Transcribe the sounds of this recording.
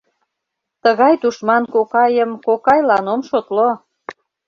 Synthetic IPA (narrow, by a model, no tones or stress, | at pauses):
t̪əɣɑjt̪uʃmɑnkokɑjəmkokɑjlɑnomʃot̪lo